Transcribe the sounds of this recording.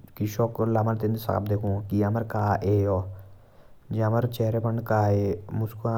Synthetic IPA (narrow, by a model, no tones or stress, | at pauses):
kiʃoːklaːmənt̪ẽnd̪sa̰ːb̚d̪eːkʰũːkiaməɾkaːʔeːjoː | d͡ʒaməɾt͡ʃeːɾeːpəɳɖkaːemʊskã